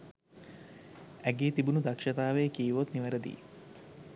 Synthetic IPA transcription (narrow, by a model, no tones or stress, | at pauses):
æɡeːt̪ibunud̪akʃɐt̪aːʋeːkiːʋot̪niʋəɾəd̪ḭː